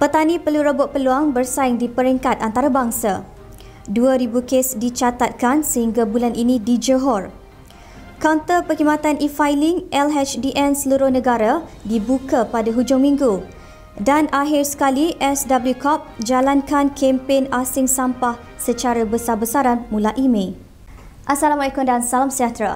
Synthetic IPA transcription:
pət̪anĩpəluɾəbʊt̪̚pəluaŋbərsaɪŋdipəɾiŋkat̪ant̪aɾabaŋsa | duaɾibukesdit͡ʃat̪at̪̚kansəhiŋɡabulanʔinĩdid͡ʒəɦɔr | kawnt̪əpəɦimat̪anʔifajlɪŋʔɛlɦɛt͡ʃdiʔɛnsəluɾʊhnə̃ɡaɾadibukapadaɦud͡ʒʊŋmĩŋɡu | danaɦɪrsə̥kaliʔɛsdabəljukɔp̚d͡ʒalankankʰɛmpenasɪŋsampah | sət͡ʃaɾabəsarbəsaɾanmũlaʔimẽ | ʔasalamalakʊmdansalamsiat̪ɾa̰

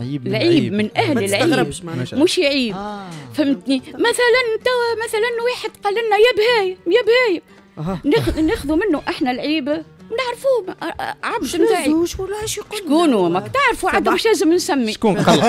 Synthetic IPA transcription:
lʕiːbmɪnʔæhlɪlʕiːbmuʃjʕiːbfæmːt̪nimæθælænt̪æwæmæθælænwiːħɪd̪qɑlːɪnnːæjæːbhɛːjajæbhɛːja | nxneːxðumɪnːʊʔaħnælʕiːbnaʕɾfuːʕabd̪maʕiː | ʃkuːnumækt̪aʕɾˤfuʕad̪æmmʊʃleːzɪmnsæmːiqː

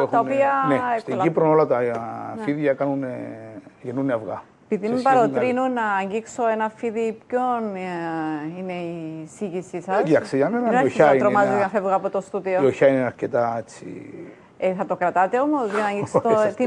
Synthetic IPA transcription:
ext̪ɐopiɐnest̪ilipɾonolɐt̪ɐfiðʝɐkɐnuneʝenuneɐvɣɐ̰ | epiðimpɐɾot̪ɾɾinunːɐːɲɟiksoenɐfiðipcon | ine̞isiʝisisɐsʝɐkseʝɐmenɐoait̪ɾomɐzoɐnɐfe̞vɣɐpot̪ost̪uðiooçɐineɐɾcet̪ɐet͡sːḭ | eθɐt̪o̞kɾɐt̪ɐt̪e̞o̞mo̞zʝɐnɐɲɟiksot̪i

